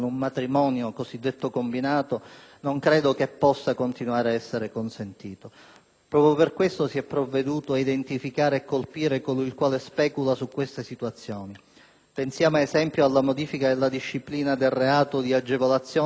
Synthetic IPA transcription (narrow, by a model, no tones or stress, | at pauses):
nummat̪ɾimɔːnjokozid̪ːet̪ːokombinaːt̪onoŋkɾɛːd̪okepːɔsːakont̪inwaːɾeaɛsːeɾekonsent̪iːt̪o | pɾɔːpɾjoperkwest̪osiɛpːɾovːed̪uːt̪oaid̪ent̪ifikaːɾeːkːolpiːɾekoilkwaːlespɛːkulasukːwest̪esit̪uat̪sːjɔːni | pensjaːmaezɛmpjoalːamod̪iːfikaelːad̪iʃːipliːnad̪elreaːt̪od̪iad͡ʒevolat̪sːjɔː